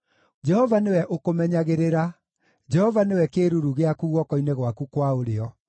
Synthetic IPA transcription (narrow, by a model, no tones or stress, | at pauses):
d͡ʒɛhɔvanewɛʔokomɛɲaɣeɾeɾa | d͡ʒɛhɔvanewɛkeɾuɾuɣeakuɣwɔkɔineɣwakukwaoɾeɔ